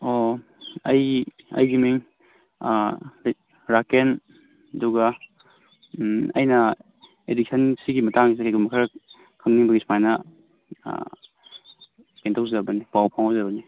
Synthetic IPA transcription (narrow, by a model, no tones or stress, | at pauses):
o | ɐj | ɐ̰jɡimiŋ | ɾaken | ɐduɡa | ɐ̰jnɐ | edik̚sʰɐnsiɡimɐtaŋis̬akʰajɡumɐkʰaɾɐ | kʰaŋniŋbɐɡismajnɐ̰ | kentʰawzebɐnipawpʰaŋɦawzabɐni